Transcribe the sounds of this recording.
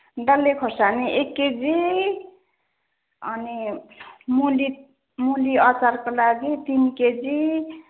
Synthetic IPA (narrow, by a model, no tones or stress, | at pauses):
ɖʌlːekʰosaneʔekːed͡zi | ʌni | muli | muliʌt͡sarkolaɡit̪inked͡zi